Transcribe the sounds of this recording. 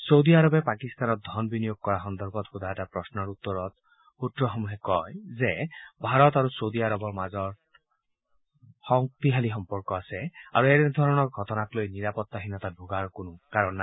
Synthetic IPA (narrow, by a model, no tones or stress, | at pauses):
sowd̪iaɹɔbɛpakist̪anɔt̪̚d̪ʱɔnbinijoɡ̚kɔɹaxɔnd̪ɔɹbɔt̪xud̪ɔɛtapɹɔsnɔɹut̪ːɔɹɔt̪ | utɹɔxɔmuɦɛkɔjzebʱaɹɔt̪aɹusowd̪iaɾɔbɔɹmazɔɹ | xɔŋk̚t̪iɦalixɔmpɔɹkɔasɛa̰ɹuɛɾɛd̪ʱɔɹɔnɔɹɡʱɔtɔnaklojniɹapɔt̪ːaxinɔt̪adʱuɡaɹkonʊkaɹɔnːaj